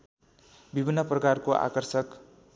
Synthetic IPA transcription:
bibʱinːʌprʌkarkoʔa̰kʌrsʌk

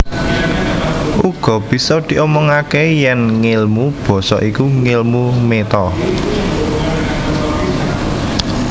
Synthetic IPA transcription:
uɡ̥ɔ̤b̥i̤sɔd̪̥i̤ʔɔmɔŋakejɛnŋelmub̥ɔ̤sɔ̰ʔikuŋelmumet̪ɔ

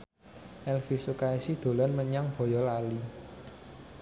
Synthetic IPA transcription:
ʔɛlfisukaisid̪̥o̤lɔnməɲaŋb̥ɔ̤jɔlali

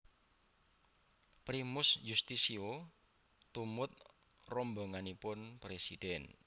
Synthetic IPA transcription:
pɾimʊsjust̪isio | t̪umʊt̪̚ | rɔmboŋanipʊnpɾesḭd̥ɛn

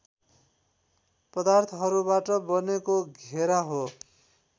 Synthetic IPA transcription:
pʌd̪art̪ʰʌɦʌɾubaʈʌbʌnekoɡʱeɾaɦo

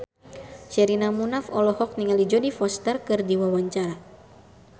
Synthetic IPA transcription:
ʃɛɾinamunafɔlɔhɔk̚niŋalid͡ʒɔdifɔst̪ərkɨrdiwawaɲt͡ʃaɾa

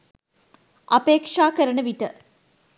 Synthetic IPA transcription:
ɐpeːkʂaːkɐɾɐɳəʋiʈə

